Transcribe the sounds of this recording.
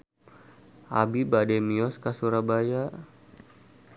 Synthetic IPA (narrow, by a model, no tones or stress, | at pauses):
ʔa̰bibadɛmiɔskasuɾabaja